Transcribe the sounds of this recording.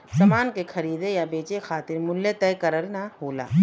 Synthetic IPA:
sɐmaːnkexɐɾiːd̪ejabeːt͡ʃexaːt̪ɪɾmʊlːet̪ɛːkɐɾəɾnɐhoːla̰ː

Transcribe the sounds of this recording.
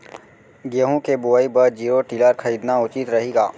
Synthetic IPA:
ɡjəɦũkebuəibəɾd͡ʒiːɾoʈiləɾkʰəɾiːd̪naʊt͡ʃit̪ɾɐɦiːɡaː

